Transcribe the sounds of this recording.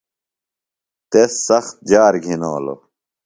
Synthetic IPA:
t̪esːɐxt̪̚d͡ʑaːɾɡʱinoːlo̰

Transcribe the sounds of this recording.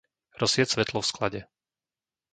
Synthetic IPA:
ɾɔsɪɛsʋɛt̪lɔfsklaɟɛ

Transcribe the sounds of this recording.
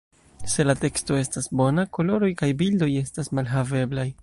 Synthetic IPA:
se̞late̞ksto̞e̞stasbo̞nako̞lo̞ɾo̞jkajbildo̞je̞stasmalɦave̞blaj

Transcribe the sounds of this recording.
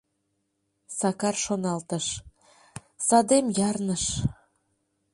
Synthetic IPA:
sɑkɑrʃonɑlt̪ə̆ʃ | sɑd̪emjɑrnəʃ

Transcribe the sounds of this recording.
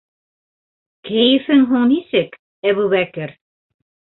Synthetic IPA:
kæjɘ̆fɘŋɦuɴnisɘk | æβuβækɘɾ

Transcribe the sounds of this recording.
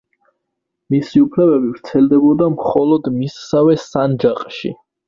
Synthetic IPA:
misiupʰlɛbɛbivɾt̪sʰɛld̪ɛbɔd̪amχɔlɔd̪misːavɛsand͡ʒaqʼʃḭ

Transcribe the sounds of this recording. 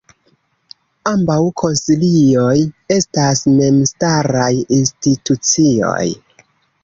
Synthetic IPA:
ambawkʰo̞nsilio̞je̞stasme̞mstaɾajinstitut͡sio̞̰j

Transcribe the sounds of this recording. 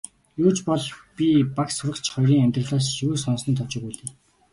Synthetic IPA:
juːt͡ɕpɔɮpʲipaksʊɾə̆kt͡ɕχɔjɾiːŋæmʲt̪rə̆ɮaːsʃiuːsɔnsə̆nt̪ʰɔt͡ɕɪ̆kujɮt̪ɘ̆

